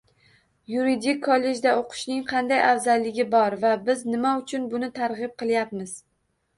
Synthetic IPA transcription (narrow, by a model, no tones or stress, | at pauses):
juɾid̪ikʲʰːɒlːe̞d͡ʒd̪aoqʰʊ̥ʃnɪŋqʰɑnd̪ajʔawzalːɪɡʲɪbɒɾvabɪznɪmaʊt͡ʃʰʊnbʊnɪt̪ʰaɾʁɨp̚qʰɨlˠjap̚mɪz